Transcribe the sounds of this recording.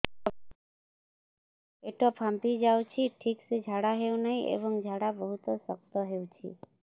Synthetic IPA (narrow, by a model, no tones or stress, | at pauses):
eʈopʰãmpid͡ʒawt͡ʃʰiʈʰiksed͡ʒʱaɽaɦeũnəɦiʔḛbəŋd͡ʒʱaɽabəɦut̪osəkt̪ɔɦeũt͡ʃʰḭ